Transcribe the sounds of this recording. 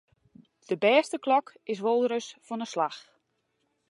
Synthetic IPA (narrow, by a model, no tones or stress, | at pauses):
d̥əbɛːstəklɔk | ɪs̬ʋolˠdɾəsfɔnəslax